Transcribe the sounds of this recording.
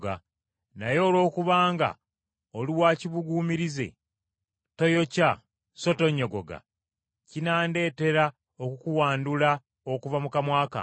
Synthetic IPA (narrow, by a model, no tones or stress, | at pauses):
ɡa̰ | najo̞ːlo̞ːkuβaːŋɡa̰ | oliwaːciβuɡuːmiɾize̞̰ | to̞jo̞ca | so̞to̞ɲːo̞ɡo̞̰ɡa̰ | cinaːnde̞ːte̞ɾa | okukuwaːndula | okuvamukamwaːka̰